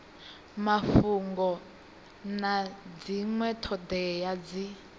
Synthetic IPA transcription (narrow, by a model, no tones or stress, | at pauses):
mafuŋɡɔ | nad͡ziŋwɛtʰɔdɛjad͡zi